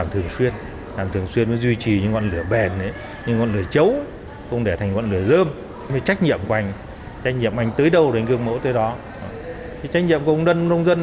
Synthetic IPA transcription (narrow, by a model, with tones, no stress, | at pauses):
a˨˩mt̪ʰɨ˨˩əŋswi˧ən | laː˨˩mt̪ʰɨ˨˩əŋswi˧ənməː˨˦jzwi˧t͡ɕi˨˩ɲɨ̰˧ŋɔ̰˧˨nlɨ˧˩əɓɛ˨˩nə˨˦j | ɲɨ˧ŋɔ̰˧˨nlɨ˨˩ət͡ɕə˨˦w | xʊ̰˧wŋ͡mɗe˧˩t̪ʰjŋ̟kɔ̰˧˨nlɨ˨˩əzəː˧m˦ | məː˨˦jt͡ɕa˦˥k̟̚ɲḭ˧˨əmkʔa˧˩jŋ̟ | t͡ɕa˦˥jk̚ɲḭ˧˨əmʔa˧˩jŋ̟t̪əː˨˦jɗə˧˩wnkɨ˧əŋmo̰˧˥t̪əː˨˦jɗɔ˨˦˧ | t̪ʰi˨˦t͡ɕa˦˥k̟̚ɲḭ˧˨əmkwŋ͡mnə˧n˧nə˧wŋ͡mzə˧n